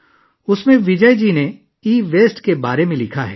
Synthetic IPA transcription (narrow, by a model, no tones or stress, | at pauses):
ʊsmẽʋɪd͡ʒəjd͡ʒiːne | iːʋeːsʈkebaːɾemẽlɪkʰaɦɛ̰ː